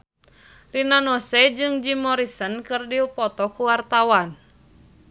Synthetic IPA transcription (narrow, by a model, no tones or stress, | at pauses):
rinanɔsɛd͡ʒɨŋd͡ʒimɔɾisənkɨrdiupɔt̪ɔkuwart̪awan